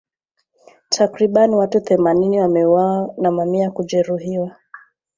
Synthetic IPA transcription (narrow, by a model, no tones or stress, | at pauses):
tʰakɾiɓaniwatuθɛmaniniwamɛuwawanamamiakuʄɛɾuɦiwa